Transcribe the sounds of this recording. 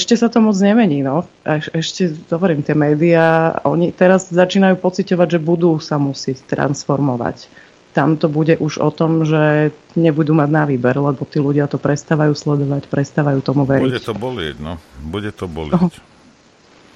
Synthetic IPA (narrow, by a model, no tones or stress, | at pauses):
ɛʃcɛsat̪ɔmɔd͡zɲɛmɛɲiːnɔ | ɛʃɛʃcɛd̪̥ɔʋɔɾiːmt̪ɪɛmɛːd̪iaɔ̰ɲit̪ɛɾazzat͡ʃiːnajuːpɔt͡sicɔʋaɟʒɛbud̪uːsamusɪɛct̪ɾa̰nsfɔɾmɔʋa̰c | t̪amt̪ɔbuɟɛʔuʒɔ̰t̪ɔmʒɛ | ɲɛbud̪uːmaɟnaʋiːbɛɾlɛbɔt̪iːluɟɪat̪ɔpɾɛst̪aːʋajuːslɛd̪ɔʋacpɾɛst̪aʋajuːt̪ɔmuʋɛɾiɛt̪ɔbɔlɪ̰ɟnɔbuɟɛt̪ɔbɔliɔ